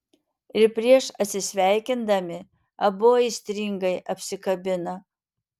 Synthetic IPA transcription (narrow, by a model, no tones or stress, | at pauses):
ɪɾpʲɾʲiɛʃɐt̪ʲsʲɪsʲʋʲæˑɪkʲɪnd̪ɐmʲɪ | ɐboːɪsʲt̪ʲɾʲɪŋɡɐɪʔɐpʲsʲɪkɐbʲɪnɐ